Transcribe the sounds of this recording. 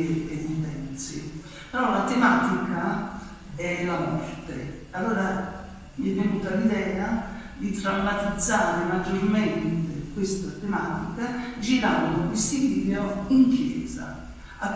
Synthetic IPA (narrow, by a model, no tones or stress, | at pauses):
enit̪ɛnsi | peɾɔlat̪emaːt̪ika | ɛlamɔrt̪e | alːoːɾa | miɛvːenuːt̪alid̪ɛːad̪it̪ɾamːat̪id̪zːaːɾemad͡ʒːorment̪ekwest̪at̪emaːt̪ikad͡ʒiɾand̪oisiliːleoiŋkjɛ̰ːza̰ | a